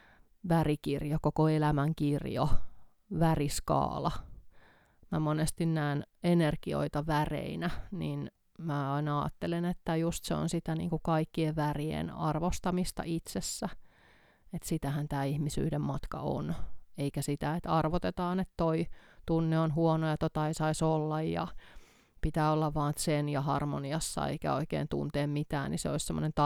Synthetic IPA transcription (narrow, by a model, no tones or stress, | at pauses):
ʋærikirjokokoelæmæŋkirjo̰ | ʋæriskɑ̰ːlɑ | mæmonest̪innæːnenerɡ̥io̰it̪ɑʋærḛinænin | mæɑinɑɑ̰ːt̪ːelenet̪ːæjust̪seo̰nsit̪ænḭːŋkukɑikːieʋʋæriḛnɑ̰rʋost̪ɑmist̪ɑ̰ʔit̪sesːæ | et̪sit̪æhænt̪æːihmisy̰ːɾemmɑt̪kɑ̰o̰neikæsit̪æet̪ɑrʋot̪et̪ɑːnet̪toit̪unːeonhuonojɑt̪ot̪ɑisɑisolːɑjjɑ̰ | pit̪æːolːɑʋʋɑːnt̪senjɑhɑrmo̰niɑsːɑ̰ḛikæ̰o̰ikḛːnt̪ṵnt̪eːmmit̪æ̰ːnniseoissemːonent̪ɑ